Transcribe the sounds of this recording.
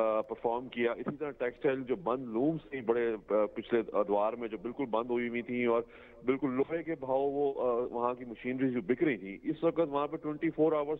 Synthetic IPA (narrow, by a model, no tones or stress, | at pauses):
pɐɾfɔːɾmkijaʔɪsit̪ɐɾãʈɛːksʈaːɪld͡ʒoːbɐ̃nd̪luːmst̪ʰibɐɽepɪt͡ʃʰled̪ʊaːɾmẽd͡ʒoːbɪlkʊlbɐ̃nd̪ʱɦoiʋĩt̪ʰĩɔːɾ | bɪlkʊlːoːekebʱaːoʋoʋɐɦãkimɐʃiːnɾizd͡ʒoːbʱɪkɾĩt̪ʰĩːɪsʋɐkət̪ʋɐɦãpeʈwɛ̃ɳʈifʰoːɾaːʋəɾs